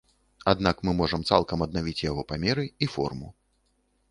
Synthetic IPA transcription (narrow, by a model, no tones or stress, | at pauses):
ad̪nakmɨmɔʐɐmt̪salˠkɐmɐd̪̚navʲit͡sʲjaɣɔpamʲɛɾɨifɔ̰rmṵ